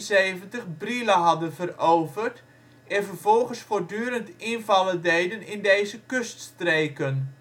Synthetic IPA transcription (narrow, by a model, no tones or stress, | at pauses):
seːvəntəχbriləɦɑdənvərowvərt | ɛnvərvɔlˠɣənsfoːrdyːəɾəntɪnvɑlədejdənɪndejzəkøststreːkən